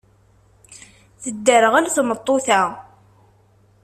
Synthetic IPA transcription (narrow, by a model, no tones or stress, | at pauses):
θəd̪ːəɾəʁælæθmət̪ˤːoθæ